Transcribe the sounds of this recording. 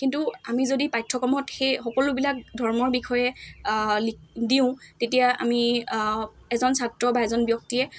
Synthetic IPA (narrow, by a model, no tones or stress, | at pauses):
kintuamizodipajtʰːɔkɔmɔtxejxɔkɔlʊbilak̚dʱɔɹmɔɹbikʰɔjɛ | lidiʊ̃tetijaa̰mi | ɛzɔnsatɹɔbaɛzɔnbjɔk̚tijɛ